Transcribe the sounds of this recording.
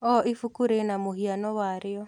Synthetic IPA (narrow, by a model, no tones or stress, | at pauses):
ɔʔifukuɾenamohianɔwaɾɪɔ